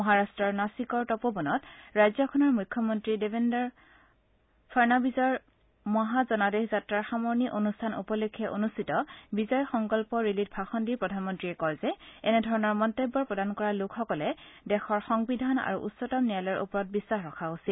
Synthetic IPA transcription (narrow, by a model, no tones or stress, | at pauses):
mɔɦaɹastɹɔɹnasikɔɹtɔpobɔnɔtɹajzɔkʰɔnɔɹmujkʰːɔmɔntɹidebʱendɔɹ | pʰaɹnabizɔɹ | mɔɦazɔnadexzatɹaɹxamɔɹniʔonustʰanṵpɔlokʰːɛʔonustitɔbizɔjɔxɔŋkɔlpɔɹilit̚bʱaxɔndiɹpɹɔdʱanmɔntɹiɛkɔjzɛɛnɛdʱɔɹɔnɔɹmɔntojbːɔɹpɹɔdankɔɹalʊkʰxɔkɔlɛdɛxɔɹxɔŋbidʱana̰ɹṵʔutsɔtɔmnialɔjɔɹʔṵpɔɹɔt̚bisːaxɹɔkʰaɡosil